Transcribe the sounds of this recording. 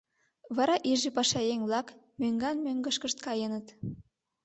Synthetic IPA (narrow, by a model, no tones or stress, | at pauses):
βɑɾɑʔiʒipɑʃɑjeŋβlɑkmøŋɡɑnmøŋɡəʃkəʃt̪̚kɑjənət̪